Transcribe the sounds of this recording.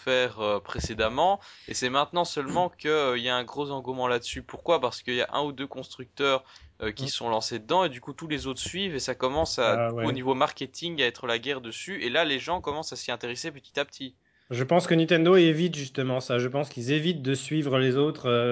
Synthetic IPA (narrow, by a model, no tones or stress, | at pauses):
fɛːʁøpχesed̪amɑ̃ḛsɛmɛ̃t̪nɑ̃sœlmɑ̃kəiljaɛ̃ɡʁozɑ̃ɡumɑ̃lad̪əsypuʁkwapaʁsə̥kəilja̰ʔɛ̰̃ud̪økɔ̃st̪χyk̚t̪œːʁøkʲisə̥sɔ̃lɑ̃sed̪əd̪ɑ̃ed̪ykut̪ulezot̪χə̥sɥivesakɔmɑ̃sauonivomaʁkʲet̪ʰiŋaɛt̪χəlaɡʲɛʁd̪əsyelaleʒɑ̃kɔmɑ̃sasiɛ̃t̪eʁesepət̪i̥t̪ap̚t̪ʰi | ʒəpɑ̃skənĩt̪ɛnd̪oevit̪ʒyst̪əmɑ̃saʒəpɑ̃skilzevit̪̚d̪əsɥivʁəlezot̪χø